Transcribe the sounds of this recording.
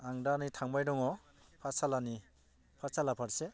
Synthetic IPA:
aŋdanitʰaŋbajdɔŋɔ | pʰasalani | pʰaɾsalapʰaɾse

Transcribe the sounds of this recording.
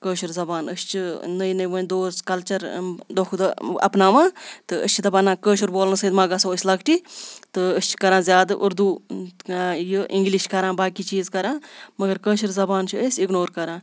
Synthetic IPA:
kəːʃuɾzɐbaːnəst͡ʃʰɨnəjnəʋəːnʲd̪oːskɐlt͡ʃɐɾd̪okʰd̪ɐ̰pnaːʋãːt̪ɨə̰st͡ʃʰit̪ɐbɐnãːkəːʃuɾboːlnɨsɐːd̪maːɡɐsoːəsʲlɐkʈiːt̪ɨəst͡ʃʰkɐɾãːzjaːd̪ʔuɾd̪uː | jəʔĩŋɡliʃkɐɾãːbaːkiːt͡ʃiːzkɐɾãːmɐɡɐɾkəːʃuɾzɐbaːnt͡ʃʰuəːsʲiknoːɾkɐɾãː

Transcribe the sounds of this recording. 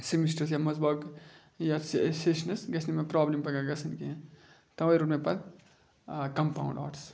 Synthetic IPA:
simisʈɐs̬jamɐzbɐːk | jassesnɐsɡɐsʰnimepɾaːblimpɐɡaɡɐsʰɐnkĩ | t̪ɐʋjɾuːʈmẽpɐt̪ | kɐmpa̰wṵ̃ɳɖɔ̰ːɾs

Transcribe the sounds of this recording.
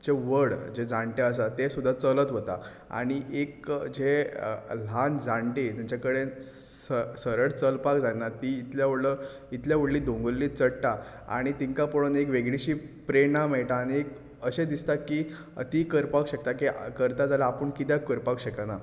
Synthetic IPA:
d͡ʑeʋəɽd͡ʑed͡zãɳʈeəs̬at̪esud̪ʱːat͡sələt̪ɦot̪a̰ | a̰ɽ̃iʔekd͡ʑe | l̤and͡zãɳʈet̪aɲt͡ɕakəɽe | səsəɾəɽt͡səlpakd͡zanat̪iːt̪ljaʋəɽlə | it̪ljaʋ̤əɽliːd̪ʱõŋɡəlːiːtt͡səɽʈa | a̰ɽ̃it̪iŋkapoɽənekʋeɡɽiɕiːpɾenamɛɭʈaːñiek | əɕẽd̪ist̪aki | ət̪ikəɾpakɕək̚t̪akikəɾt̪ad͡zalaːpəɳkit̪jakəɾpakɕekana

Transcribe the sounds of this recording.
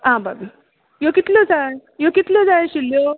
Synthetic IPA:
ɦãbabi | jokit̪lod͡zajokit̪lod͡zajɕiljo

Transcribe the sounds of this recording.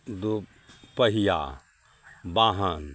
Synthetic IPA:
d̪u | pɐɦija̰ː | baːɦan

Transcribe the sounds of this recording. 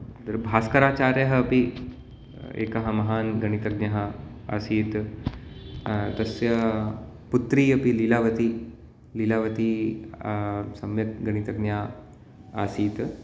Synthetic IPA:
d̪ɐɾbʱaːskɐɾaːt͡ʃaːɾjɐɦɐɐpi | ḛːkɐɦɐmɐɦaːnɡɐñit̪ɐɡ̚njɐɦɐ̆ | a̰ːsiːt̪ | t̪ɐsjɐ | put̪ɾiːɐpililaːʋɐt̪i | lilaːʋɐt̪i | sɐmjɐt̪̚ɡɐñit̪ɐɡnjaː | aːsiːt̪

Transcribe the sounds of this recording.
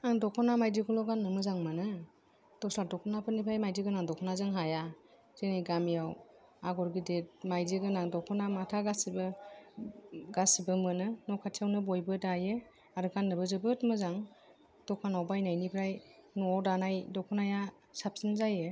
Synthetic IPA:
aŋdɔkʰɔnamajdikʰɔlɔɡanːɯmɯzaŋmɯnɯ | d̥ɔsladɔkʰɔnapʰɯnipʰajmajdiɡɯnaŋdɔkʰɔnazɯŋɦaja | z̥enajɡamijaw | aɡɔɾɡidet̚majdiɡɯnaŋdɔkʰɔnamatʰaɡasibɯ | ɡasibɯmɯnɯnɔkʰatʰiawnɯbɔjbɯdajɯ | aɾɯɡanːɯbɯzɯbɯtmɯzaŋ | d̥ɔkʰanawbajnajnipʰɾajnɔdanajdɔkʰɔnaja | sap̚sinzajɯ

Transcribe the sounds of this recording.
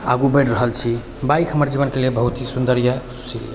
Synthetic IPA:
a̰ɡubəɪʈɾəɦəlt͡ʃʰi | bajkʰɦəməɾd͡ʒiβənkelebəɦut̪ɦisund̪əɾjə | sʰḭ

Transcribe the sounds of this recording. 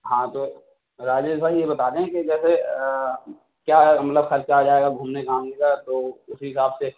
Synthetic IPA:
ɦãːt̪o | ɾaːd͡ʒed͡ʒsaːɦijebɐt̪aːt̪ẽɦɛ̃ked͡ʒɛːse | kjaːmɐt̪ləbxɐɾt͡ʃad͡ʒaːeɡaɡʱuːmnekaːmnẽːɡat̪oʊsiɦɪsaːbse

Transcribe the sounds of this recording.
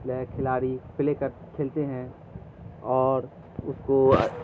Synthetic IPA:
lɛːkʰɪlaːɾipɪlekəɾ | kʰɪlt̪eɦɛ̃ | ɔːɾ | ʊsko̰

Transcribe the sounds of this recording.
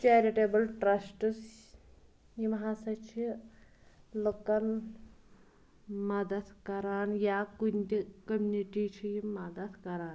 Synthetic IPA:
t͡ʃeːɾiʈeːbɐlʈɾɐsʈs | jimɐɦaːsɐt͡ʃʰi | lokɐn | mɐd̪ɐd̪kɐɾaːnjakund̪ikəmuniʈit͡ʃʰiimɐd̪ɐd̪kɐɾaːn

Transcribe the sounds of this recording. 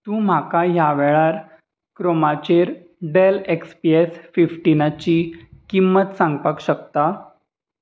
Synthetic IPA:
t̪ũːm̤akajaʋɛɭaɾ | kɾomat͡ɕeɾ | ɖelekspiesfifʈinat͡ɕiːkimːət̪sãŋɡpəkɕəkt̪a

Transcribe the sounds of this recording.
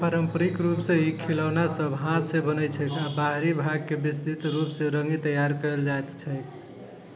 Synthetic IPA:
pəɾəmpəɾikɾupsẽikʰiləwnasəbɦãt̪sẽbənət͡ʃʰɛk̪abaɦɾibʱaɡkebist̪it̪ɾupsẽɾəŋɡit̪əjaɾkəld͡ʒajt̪t͡ʃʰəj

